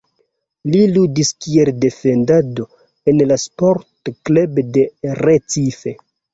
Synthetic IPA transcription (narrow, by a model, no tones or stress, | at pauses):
liludiskie̞lde̞fe̞ndado | enlaspoɾtklebdeɾet͡sife̞